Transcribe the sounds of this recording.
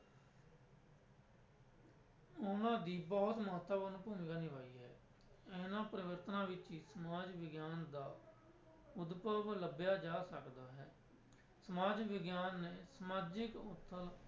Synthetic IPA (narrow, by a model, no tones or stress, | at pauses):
ʊnãːd̪iːbɔːt̪məɦət̪ːəbənũːpuːmɪɡaːnɪʋaːiːɦɛː | ɛːnãːpɾəʋəɾt̪nãːʋɪt͡ʃiːsəmaːd͡ʒʋɪɡjaːnd̪aː | ʊd̪pəʋləbjaːd͡ʒaːsəkd̪aːɦɛː | səmaːd͡ʒʋɪɡjaːnːeːsəmaːd͡ʒɪkʊt̪ʰːəl